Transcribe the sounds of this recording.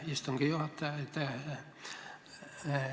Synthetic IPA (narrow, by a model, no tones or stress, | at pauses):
ist̪uŋkijot̪ːæet̪ːæ